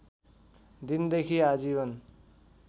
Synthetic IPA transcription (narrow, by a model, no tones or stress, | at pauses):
d̪ind̪ekʰiad͡zibʌn